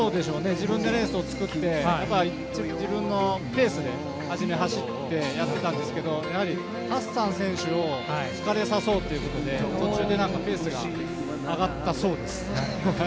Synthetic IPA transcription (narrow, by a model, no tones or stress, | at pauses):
so̞ːd̪e̞ɕo̞ːne̞d͡ʑibɯ̟̃nd̪o̞ɾe̞ːsɨot͡sɨ̥kɯ̟t̪ːe̞japːai | t͡ɕid͡ʑibɯ̟̃nːo̞pe̞ːsɨd̪e̞ | aʑime̞ɦaɕit̪ːe̞jat̪ːe̞t̪ãnd̪e̞sɨ̥ke̞d̪o̞jahaɾʲi | hasːãɰ̃sẽ̞ɰ̃ɕɨo̞t͡sɨ̥kaɾe̞saso̞ːt̪ːeiɯ̟ko̞t̪o̞d̪e̞so̞t͡ɕːɨːd̪e̞nãŋkape̞ːsɨɡa | aɡat̪ːaso̞ːd̪e̞sɨ̥